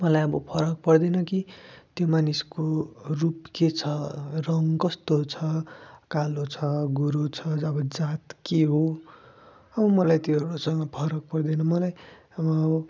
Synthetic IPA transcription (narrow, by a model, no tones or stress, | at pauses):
mʌlajʌbʌpʰʌɾʌk̚pʌrd̪ʌnʌkit̪jomaniskorupket͡sʰʌrʌŋkʌst̪ot͡sʰʌkalot͡sʰʌɡuɾot͡sʰʌʌbʌd͡zat̪keɦo | ʌbʌmʌlajt̪joeɽosʌŋɡʌpʰʌɾʌk̚pʌrd̪enʌmʌlaj | ʌbʌːbʌ